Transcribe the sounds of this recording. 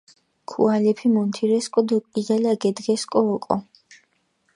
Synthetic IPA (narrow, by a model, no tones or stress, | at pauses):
kʰṵalɛpʰimɔnt̪ʰiɾɛskʼɔd̪ɔkʼid̪alaɡɛd̪ɡɛskʼɔːkʼɔ